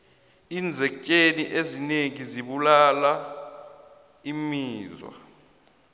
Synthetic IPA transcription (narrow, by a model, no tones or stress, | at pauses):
iːnd͡zʱɛcʼeniʔezineŋiziɓulala | imiːzwa̰